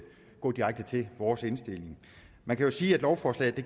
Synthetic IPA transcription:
ɡ̥ɔ̰̽ːd̥iʁäɡ̥̚d̥ət͡sʰe̝ʋɒːse̝nsd̥e̝l̰e̝ŋ | mænkʰæjo̝siːæd̥lɒʊfɒːslɛ̰ːð̩ˠd̥e̝

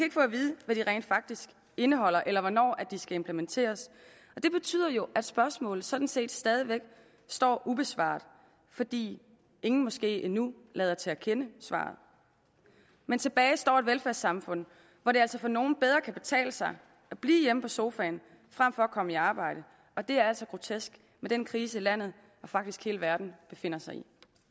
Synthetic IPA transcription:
jikʰæe̝ɡ̥əfɔ̰̽ːʋið̞ˠəʋæɾ̥iʁɛ̰ɪnd̥fɑ̈ɡ̥̚d̥isɡ̥ | e̝nəɦɒ̽l̰ɐʔelɐʋɒnɒ̰ːæd̥isɡ̥æe̝mpʰlement͡sʰe̝̰ːɐs | ɒ̽d̥e̝b̥e̝t͡sʰy̰ð̰ˠɐjo̝ʔæd̥sb̥ɶɐsmɔ̰̽ːlð̩ˠsɒ̽d̥n̩se̝̰ːd̥sd̥ɛːð̞ˠiʋeɡ̥ | sd̥ɒ̰ːʔub̥e̝sʋɑ̰̈ːd̥ˠ | fɒ̽d̥ḭː | e̝ŋn̩mɒ̽sɡ̥e̝̰ːʔinu | lɛːð̞ˠɐt͡sʰe̝ækʰenəsʋɑ̰̈ːð̞̩ˠ | ment͡sʰe̝b̥ɛːɪsd̥ɒ̰ːe̝dʋelfæɐsːɑ̈mfɔ̽n̰ | ʋɒɾe̝æl̰sɒ̽fɒ̽no̝ːn̩b̥eð̞ˠʁɐkʰæb̥e̝t͡sʰɛ̰ːləsɑ̈ɪ | ʔæb̥lḭːjeməpʰɒ̽so̝ːfɛːn | fʁam̰fɒ̽ɒkʰɒ̽məiɑ̈ːb̥ɑ̈ɪ̰ɾ̥ə | ɒ̽d̥e̝æɐæl̰sɒ̽ɡ̥ʁo̝t͡sʰesɡ̥ | med̥enkʰʁiːsəilæn̰ð̞̩ˠ | ɒ̽fɑ̈ɡ̥d̥isɡ̥he̝ːləʋæɐd̥n̩b̥e̝fe̝n̰ɐsɑ̈ɪi

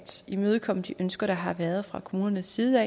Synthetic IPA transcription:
d̥imøːð̞ˠəkʰɒ̽m̰d̥iʔønsɡ̥ɐɾ̥ɑ̈ɦɑ̈ʋæːɐð̞ˠfʁɑ̈kʰo̝muːnɐnəsːiːðˠɛ̰

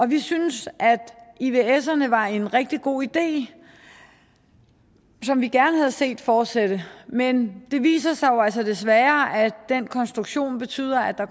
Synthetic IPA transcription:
ʔɒ̽ʋisynsʔæd̥iʋe̝esɐnəʋɑ̈e̝nʁɛɡ̥̚d̥iɡ̥o̝̰ːid̥e̝̰ː | sɒ̽mʋiɡ̥æɐnəhæð̞ˠəse̝̰ːd̥fɒːd̥sed̥əmend̥e̝ʋḭːsɐsɑ̈ɪjo̝ælsɐd̥e̝sʋæːɐʔæd̥enkʰɒ̽nsd̥ʁuɡ̥ɕo̝̰ːnb̥e̝t͡sʰy̰ːð̰ˠɐæd̥ɑ̈

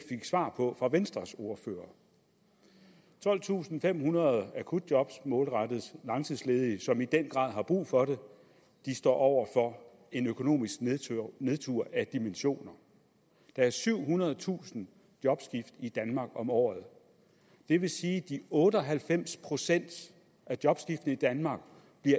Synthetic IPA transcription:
feɡ̥sʋɑ̰̈ːpʰɒ̽fʁɑ̈ʋensd̥ʁɐso̝ɐfø̰ːɐ | t͡sʰɒ̽l̰t͡sʰṵːsn̩fem̰hunɐðˠækʰud̥̚djɒ̽b̥smɔ̽ːlʁad̥ð̩ˠslɑ̈ŋsʰiðˠsleːð̞ˠisɒ̽mid̥en̰ɡ̥ʁɑ̰̈ð̰ˠɦɑ̈b̥ʁṵːfɒ̽ɾe̝ | d̥isd̥ɒ̰ːʔɒʊ̰ɐfɒ̽ | e̝nøkʰo̝no̝̰ːmisɡ̥ne̝ð̞ˠt͡sʰuɐ̰ʔæd̥imenɕo̝̰ːnɐ | d̥ɑ̈æɐsyʊ̰ɦunɐð̞̩ˠt͡sʰṵːsn̩ | d̥jɒ̽b̥sɡ̥ifd̥id̥ænmɑ̈ɡ̥ɒ̽mɒ̰ːð̩ˠ | d̥e̝ʋe̝siːd̥iɔ̽ːɾəɒ̽ɦælfem̰spʰʁo̝sen̰d̥ | ʔæd̥jɒ̽b̥sɡ̥ifd̥n̩əid̥ænmɑ̈ːɡ̥ | b̥liɐ

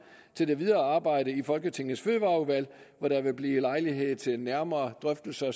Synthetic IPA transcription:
t͡sʰe̝ld̥e̝ʋið̞ˠɐːɑ̈ːb̥ɑ̈ɪ̰ɾ̥əifɒ̽lɡ̥ət͡sʰe̝ŋð̩ˠsføːʋɑ̈ːuʋæl̰ʋɒdɾæ̈ʋe̝b̥liːlɑ̈ɪliɦe̝ð̰ˠt͡sʰe̝næɐmɐːd̥ʁœfd̥l̩sɐ

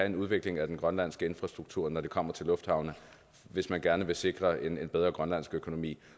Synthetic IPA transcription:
æe̝nuð̞ˠʋe̝ɡ̥le̝ŋæd̥enɡ̥ʁɶnlæn̰sɡ̥əe̝nfʁɑ̈sd̥ʁuɡ̥̚t͡sʰuɐ̰nɒd̥e̝kʰɒ̽m̰ɐt͡sʰe̝lɔ̽fd̥hɑ̈ʊnə | ʋe̝smænɡ̥æɐnəʋe̝se̝ɡ̥ʁɐenenbeðˠʁɐɡ̥ʁɶnlæn̰sɡ̥økʰo̝no̝mḭː

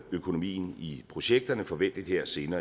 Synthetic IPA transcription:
økʰo̝no̝mḭːnipʰʁo̝ɕeɡ̥̚d̥ɐnəfɒ̽ʋen̰d̥id̥heɐ̰se̝ːnɐː

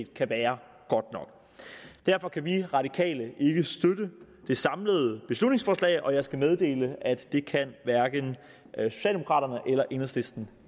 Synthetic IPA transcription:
d̥kʰæʋæːɐ | ɡ̥ɒ̽d̥nɒ̽ɡ̥ | d̥æɐfɒ̽kʰæʋiʁɑ̈d̥ikʰɛ̰ːləʔe̝ɡ̥əsd̥ødə | d̥e̝sɑ̈mləð̞ˠb̥e̝slud̥ne̝ŋsfɒːslɛ̰ːɪʔɒ̽jɑ̈ɪsɡ̥æmeð̞ˠd̥e̝̰ːləʔæd̥ːe̝kʰænʋæɐɡ̥ən | so̝ɕɛ̰ld̥emo̝kʰʁɑ̰ːɾɐnəʔelɐʔe̝nɐsle̝sd̥n̩

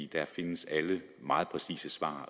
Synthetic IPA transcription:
d̥æfe̝nəsælə | mɑ̈ːð̞̩ˠpʰʁɛsḭːsəsʋɑ̰̈ː

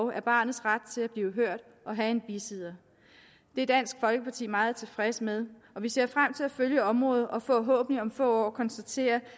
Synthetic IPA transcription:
ʊʔæɐb̥ɑ̈ːnð̩ˠsʁad̥̚t͡sʰe̝læb̥liːʊɦøɐ̰d̥ | ʔɒ̽ɦæe̝nb̥isið̞̰ˠɐ | d̥e̝æd̥æn̰sɡ̥fɒ̽lɡ̥əpʰɑ̈t͡sʰḭːmɑ̈ːð̞̩ˠt͡sʰe̝fʁɛsəmeð̞ˠ | ɒ̽ʋise̝ɐ̰fʁam̰t͡sʰe̝læføljəɒ̽mʁɔ̽ːð̩ˠɒ̽fɔ̰̽ːɦɔ̰̽ːb̥niɒ̽mfɔ̰̽ːɒ̰ːkʰɒ̽nsd̥æt͡sʰe̝̰ːɐ

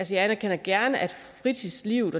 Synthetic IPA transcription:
lsəjɑænɐkʰen̰ɐɡ̥æɐnəʔæd̥fʁit͡sʰisliʊ̰ð̩ˠɒ

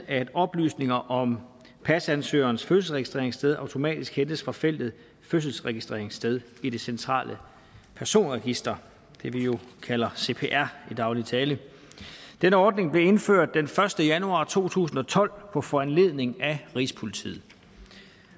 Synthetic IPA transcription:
æd̥ɒ̽b̥ly̰ːsne̝ŋɐʔɒ̽m | pʰæsænsø̰ːɐːnəsføsl̩sʁɛɡ̥isd̥ʁḛɐe̝ŋsd̥eð̞ˠɑ̈ʊt͡sʰo̝mɛ̰ːd̥isɡ̥hend̥əsfʁɑ̈fel̰d̥ð̩ˠ | føs̬l̩sʁɛɡ̥isd̥ʁḛɐ̰e̝ŋsd̥eð̞ˠ | id̥e̝sent͡sʰʁɑ̰̈ːlʔə | pʰæɐso̝̰ːnʁɛɡ̥isd̥ɐ | d̥e̝ʋijo̝kʰælɐse̝̰ːpʰḛːʔæɐ̰id̥ɑ̈ʊlit͡sʰɛːlə | d̥enəɒːd̥̚ne̝ŋb̥le̝e̝nføɐ̰d̥̚ːenfɶɐsd̥əjænuɑ̰̈t͡sʰo̝̰ːt͡sʰṵːsn̩ɒ̽t͡sʰɒ̽l̰pʰɒ̽fɒænle̝ðˠne̝ŋæʁḭsə̥pʰo̝lit͡sʰḭːð̩ˠ

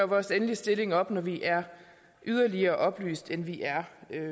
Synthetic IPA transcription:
ɐʋɒːsenlisd̥e̝le̝ŋɒ̽b̥nɒʋiʔæɐ | ʔyð̞ˠɐliɐʔɒ̽b̥ly̰ːsd̥enʋiʔæɐ

